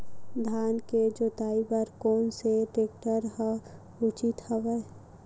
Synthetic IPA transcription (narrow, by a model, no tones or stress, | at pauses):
d̪ʱaːnked͡ʒoːt̪aːibəɾkɔːnseʈeːk̚ʈəɾɦə | ʊt͡ʃit̪həʋe